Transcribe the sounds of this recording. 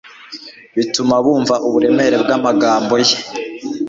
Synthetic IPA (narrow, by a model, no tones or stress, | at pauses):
βitumaβuːɱvaʔuβuɾe̞me̞ɾe̞b̚ɡamaɡaːmbo̞je